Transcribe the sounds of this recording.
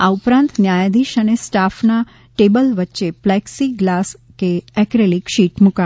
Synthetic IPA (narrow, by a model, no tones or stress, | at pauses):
aupɾãnt̪njajad̪iʃənesʈafna | ʈebəlʋətːʃeplɛksiɡlaskeɛkɾelikʃiʈmuka